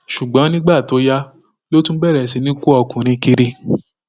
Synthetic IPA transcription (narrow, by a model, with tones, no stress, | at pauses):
ʃu˨ɡ͡bɔ̃˨˦nĩ˦ɡ͡ba˦˨to˨˦ja˦ | lo˦tũ˦bɛ˦˨ɾɛ˨s̬i˧˦nĩ˦ku˦ɔ˧kũ˨ɾ̃ĩ˧ki˧ɾi˧